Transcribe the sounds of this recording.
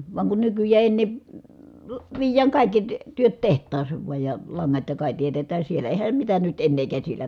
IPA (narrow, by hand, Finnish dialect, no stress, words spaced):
ʋɑŋ kun nykyjˑæː eˑĭ enːeˑ ʋiːjˑæːŋ kɑˑi̯kːi ty tyøt tehtˑɑːsˑeːʋ ʋuɑj jɑ lɑŋːɑt jɑ kɑˑi tietetæː sielˑæ eːhæm mitæ nyt enːeː kæsilæ